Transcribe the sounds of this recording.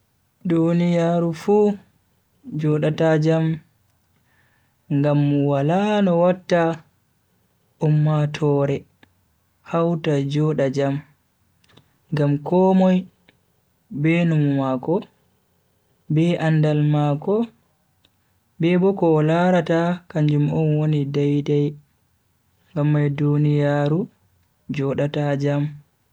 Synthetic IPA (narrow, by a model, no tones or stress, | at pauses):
dunijaɾufu | d͡ʒɔɗatad͡ʒam | ŋɡamːuwalanɔwatːa | ʔumːatʰɔːɾɛ | hawtad͡ʒɔɗad͡ʒam | ŋɡamkɔːmɔj | benummakɔ | bɛʔandalmakɔ | bɛbɔkɔlaɾatakaɲd͡ʒumɔnwonidajdaj | ɡamːajdunijaːɾu | d͡ʒɔɗatad͡ʒam